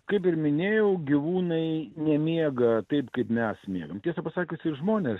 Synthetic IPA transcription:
kɐɪpɪɾmʲɪnʲeːjɛʊɡʲiʋuːnɐɪnʲɛmʲiɛɡɐt̪ɐɪpkɐɪpmʲɛsmʲiɛɡɐmt̪ʲiɛsɐpɐsɑːkʲiːsʲɪɾʒmoːnʲes

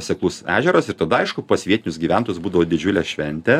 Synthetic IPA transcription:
sʲɛklˠʊsæ̰ːʒʲɛɾosɪɾt̪ɐd̪ɐɐɪʃkʊpɐsʋʲiɛt̪ʲɪnʲʊsɡʲiːʋʲænt̪oːjʊsbuːd̪ɐʋoːd̪ʲɪd͡ʒʲʊlʲɛʃʲʋʲɛnʲt̪ʲɛ

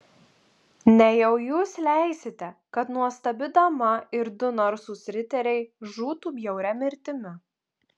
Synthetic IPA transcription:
nʲɛjɛʊjuːslʲæˑɪsʲɪt̪ʲɛkɐt̪nuɔst̪ɐbʲɪd̪ɐmɐɪɾd̪ʊnɔɾsuːsʲɾʲɪt̪ʲɛɾʲɛɪʒuːt̪uːbʲjɛʊɾʲɛmʲɪɾʲt̪ʲɪmʲɪ

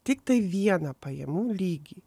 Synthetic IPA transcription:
t̪ʲɪkt̪ɐɪʋʲiɛnɐpɐjɛ̰muːlʲiːɡʲi

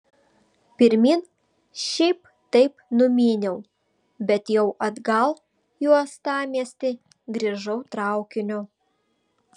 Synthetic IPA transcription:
pʲɪɾʲmʲin | ʃʲɛɪp | t̪ɐɪpnʊmʲiːnʲɛʊ | bʲɛt̪jɛʊʔɐd̪ɡɐlˠ | juɔst̪ɑːmʲiɛsʲt̪ʲɪ | ɡɾʲiʒɐʊt̪ɾɑˑʊkʲɪnʲʊ

